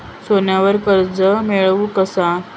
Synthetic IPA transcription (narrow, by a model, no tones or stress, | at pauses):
sonjaʋəɾkəɾd͡zəmeɭʋukəsa